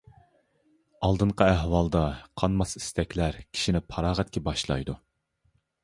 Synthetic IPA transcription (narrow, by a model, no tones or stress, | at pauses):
ɑlˠd̪ɨɴqɑæɦwɑlˠd̪ɑqʰɑnmɑsi̥st̪ɛkʲlæɾkʲʰi̥ʃinɪpʰɑɾɑːʁɛt̪̚kʲɛbɑʃlˠɑ̰jd̪u